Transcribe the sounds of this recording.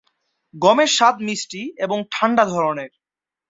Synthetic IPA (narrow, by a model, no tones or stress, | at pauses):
ɡɔmeʃat̪̚misʈieboŋʈʰaɳɖad̪ʱɔɾoneɾ